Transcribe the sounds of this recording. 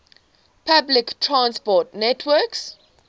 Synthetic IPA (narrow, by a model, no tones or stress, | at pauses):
pʰabliktʰɹãnspɔtnɛtʰwɜks